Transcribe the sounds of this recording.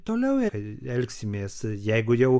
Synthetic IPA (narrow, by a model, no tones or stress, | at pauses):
t̪oːlʲɛʊɛɐɪɛlʲksʲɪmʲeːsjɛɪɡʊjɛʊ